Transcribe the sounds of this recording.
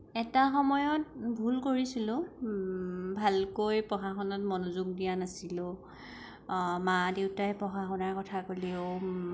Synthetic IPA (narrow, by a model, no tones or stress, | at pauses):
ɛtaxɔmɔjɔt̚bʱulkoɹisilʊ̃ | bʱalkojpɔxaxɔnɔtmɔnuzuɡ̚dijanasilʊ̃ | madewtajɛpɔxaxɔnaɹkɔtʰakolio